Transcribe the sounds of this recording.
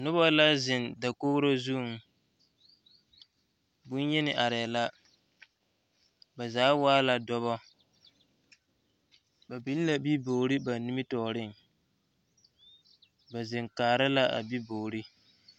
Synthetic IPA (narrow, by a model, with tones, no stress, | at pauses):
nʊ˦bɔ˦la˦zɪ˨nda˨koː˦ɾo˦zu˦˨ŋ˨ | bʊ˦n˦jɛ˦nɪ˨ʔa˨ɾɪ˨la˦ | ba˨zaː˨˦waː˦la˨dɔ˦βɔ˦ | ba˨bi˦n˦la˨bi˦bo˨ɾi˦ba˨ni˦mi˦tɔː˨ɾɪ˦ŋ˨ | ba˨zɪ˨ŋkaː˨ɾa˦la˦ʔa̰˨bi˦boː˨ɾi˦